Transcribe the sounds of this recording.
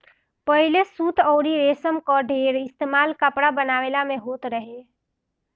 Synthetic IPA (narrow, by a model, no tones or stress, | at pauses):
pəɦɪlesuːt̪ʰɔːɾiɾeːsəmkɔɖʱeːɾɪst̪eːmaːlkəpɽabənaːʋeːlamẽɦoːt̪ɾəɦe